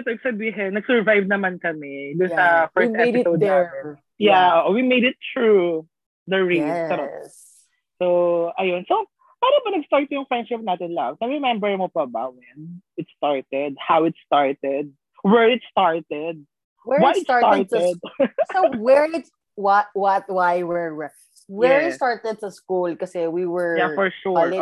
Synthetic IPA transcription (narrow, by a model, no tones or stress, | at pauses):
t̪oɡsɐbiːɦɛnɐɡsɛɹvajvnɐmankɐmɛd̪ʊnsɐfɛɹst̪ɛɛɪsod̪ | jaʔoːʔowimejd̪ɪt̪ɹu | d̪ɐɹispɐɾo | sowʔɐjonso | paːɾɐbɐnɐɡst̪aɹt̪̚jʊŋfɹɛ̃nd̪ʃɪp̚naːt̪ɪnlɐvnɐɹɛmɛmbɛɹmopɐbɐwɛnɪt̪st̪aɹt̪ɛd̪̚hawɪt̪st̪aɹt̪ɛd̪̚ | wɛɹɪt̪st̪aɹt̪ɛd̪̚ | wɛwajɪt̪saɹt̪aɹt̪ɛd̪̚sowɛɹɪt̪ | wtwɐt̪̚wajwɛɹɛ | wɛɹɪst̪aɹt̪ɛd̪̚t̪ʊskulkɐsɛwiwɛɹjafɔɹʃuɹ